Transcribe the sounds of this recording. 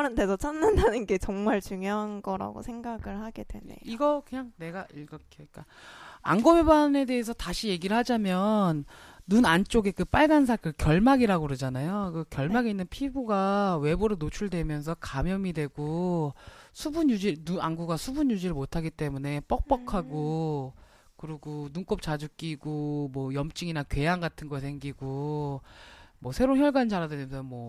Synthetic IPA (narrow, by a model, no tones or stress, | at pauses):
ɾantʰe̞sʰʌt͡ɕʰanːandanɯnɡe̞t͡ɕʌŋmaɭt͡ɕuŋjʌɦanɡʌɾa̰ɡo̰sʰe̞ŋɡaɡɯɭhaɡe̞dwenḛiɡʌkɯɲaŋne̞ɡaʔiɡʌkek͈a | a̰nɡomebane̞de̞esʰʌtaɕʰije̞ɡiɾɯɭhad͡ʑamjʌnːunant͡ɕ͈oɡe̞kɯp͈aɭɡans̬ʰak͈ɯkjʌɭmaɡiɾaɡoɾɯd͡ʑanajokɯkjʌɭmaɡeinːɯnpʰibuɡawe̞boɾɯnot͡ɕʰuɭdwe̞mjʌns̬ʰʌkamjʌmidwe̞ɡo | sʰubuɲjud͡ʑinuanɡuɡasʰubuɲjud͡ʑiɾɯɭmotʰaɡit͈e̞mune̞p͈ʌk̚p͈ʌkʰaɡo | kɯɾiɡonunk͈op̚t͡ɕ͈ad͡ʑuk͈iɡomwʌjʌmt͡ɕ͈iŋinakɥe̞jaŋɡatʰɯnɡʌsʰe̞ŋɡiɡo | mwʌsʰe̞ɾonçjʌɭɡand͡ʑaɾadwenensʰʌmwʌ